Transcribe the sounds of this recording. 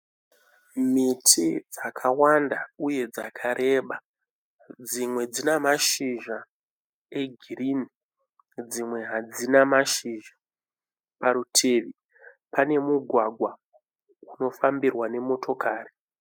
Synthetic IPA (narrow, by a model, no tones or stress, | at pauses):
mitʰid͡zakʰawandauje̞d͡zakʰaɾʔe̞ɓa | d͡zimwe̞d͡zinamaʃiʒa | e̞ɡʱirini | d͡zimwe̞ɦad͡zinamaʃiʒa | paɾutʰeːʋi | pane̞muɡʱwaɡʱwa | uno̞fambirwane̞mo̞tʰo̞kaːri